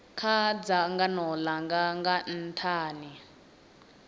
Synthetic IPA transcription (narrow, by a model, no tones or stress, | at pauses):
kʰad͡zaŋɡanɔlaŋɡaŋɡan̩tʰaːni